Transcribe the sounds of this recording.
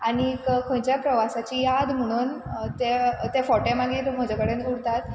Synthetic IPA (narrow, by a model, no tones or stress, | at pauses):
aɽ̃ikkʰə̃t͡ɕjapɾəʋasat͡ɕijad̪m̤əɽ̃uːnt̪et̪efɔʈẽmãɡit̪m̤əd͡ʑakəɽẽnuɽt̪at̪̚